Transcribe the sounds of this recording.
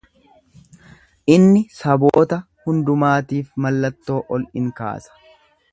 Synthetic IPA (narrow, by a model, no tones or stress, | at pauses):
ʔɪnːɪsɐboːt̪ɐ | hʊnd̪ʊmaːt̪iːfmɐlːɐt̪ːo̞ːʔɔlʔɪŋka̰ːsɐ̥